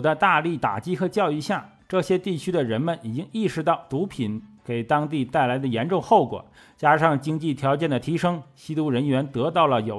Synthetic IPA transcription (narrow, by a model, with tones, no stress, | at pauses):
t͡sa˥˧ɪt̪a˥˧li˥˩t̪a̰˨˩t͡ɕi˥xɤ˧˥t͡ɕjɑ˥˧ʊi˥˧ɕja˥˩ | ʈ͡ʂɤ˥˩ɕjɛ˥t̪i˥˩t͡ɕʰy˥d̪ə˨ɻə˧˥nmə˨ni˨˩t͡ɕi˥ŋi˥˩ʂɻ̩˧˥t̪ɑ˥˩ʊt̪u˧˥pʰi˨˩˦nke˨˩ɪt̪ɑ˥ŋt̪i˥˧t̪a˥˩ɪla˧˥ɪd̪ə˧jɛ˧˥nʈ͡ʂʊ˥˧ŋxo˥˩ʊkwɔ̰˨˩˦ | t͡ɕja˥ʂɑ˥˩ŋt͡ɕi˥ŋt͡ɕi˥˩t̪ʰjɑ˧˥ʊt͡ɕjɛ˥˩nd̪ə˩t̪ʰi˧˥ʂɤ˥ŋɕi˥t̪u˥ɻə˧˥nɥɛ˧˥nt̪ɤ˧˥t̪ɑ˥˩ʊlə˩jo˨˩ʊ